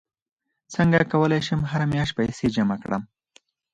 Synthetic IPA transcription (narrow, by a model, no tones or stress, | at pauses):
t͡səŋɡakawəlajʃəmɦaɾamjaʃ̚pajsed͡ʒamakɽə̰m